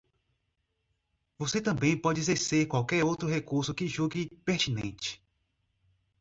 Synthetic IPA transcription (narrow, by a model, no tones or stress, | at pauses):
voset̪ɐ̃bẽj̃pɔd͡ʒɪezeɾseɾkwawkɛɾowt̪ɾʊɦekuɾsʊkɪʒuɡipeɾt͡ʃ̪inḛ̃t͡ʃɪ̥